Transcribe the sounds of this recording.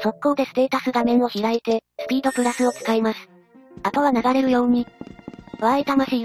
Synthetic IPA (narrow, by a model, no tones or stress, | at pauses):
so̞kːo̞ːd̪e̞sɨ̥t̪e̞ːt̪asɨɡ̪amẽ̞ño̞çiɾait̪e̞sɨ̥pʲiːd̪o̞pɯ̟ɾasɨo̞t͡sɨ̥kaimasɨ̥ | at̪oβ̞anaɡaɾe̞ɾɯ̟jo̞ːɲ̟i | βait̪amaɕiː